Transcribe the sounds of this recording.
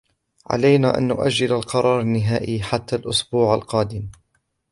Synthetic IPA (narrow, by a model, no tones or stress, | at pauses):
ʕa̰lajnaːʔa̰nːʊʔad͡ʒːɪlalqɑɾˤɑːɾˤanːɪɦaːʔiːħat̪ːalʔʊsbuːʕa̰lqɑːd̪ɪm